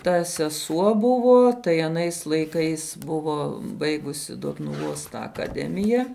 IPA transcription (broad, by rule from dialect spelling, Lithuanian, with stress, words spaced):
tɐ sʲɛˈsuɔ ˈbʊʋoː tɐɪ ɐˈnɐɪs lˠɐɪˈkɐɪs ˈbʊʋoː ˈbɐɪɡʊsʲɪ doːtnʊˈʋoːs tɑː ɐkɐˈdʲæːmʲɪjɛ